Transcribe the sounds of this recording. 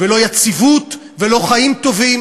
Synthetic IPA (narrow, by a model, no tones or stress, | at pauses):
velo̞jat͡sivut̪ | velo̞χaimt̪o̞vim